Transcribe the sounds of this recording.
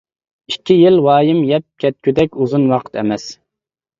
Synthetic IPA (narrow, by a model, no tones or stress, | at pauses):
ikʲʰːijilwɑːjimjɛp̚kʲʰɛt̪̚kʲʰyd̪ɛkʲuzunwɑqʰə̥t̪ɛmɛs